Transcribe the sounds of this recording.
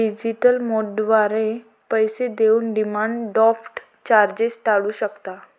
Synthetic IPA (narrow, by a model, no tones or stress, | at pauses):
ɖid͡ʑiʈəlmoɖʋaɾe | pəjsed̪euːnɖimaɳɖɖɔfʈ | t͡ɕaɾd͡ʑesʈ̪aɭuːɕəkt̪a